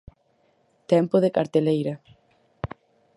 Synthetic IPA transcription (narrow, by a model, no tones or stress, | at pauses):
t̪ɛmpoðekaɾt̪elejɾɐ